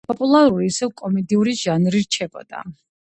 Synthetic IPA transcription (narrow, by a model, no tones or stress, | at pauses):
pʼɔpʼulˠaɾuɾiːsɛvkʼɔmɛd̪iuɾiʒanɾiɾt͡ʃʰɛbɔ̰d̪a̰